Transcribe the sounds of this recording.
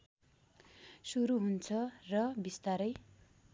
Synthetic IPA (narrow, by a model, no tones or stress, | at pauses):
suɾuɦunt͡sʰʌrʌbist̪aɾʌj